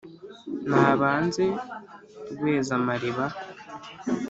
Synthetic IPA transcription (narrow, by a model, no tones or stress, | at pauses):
naːβaːnze̞ | ɡweːzamaɾiβa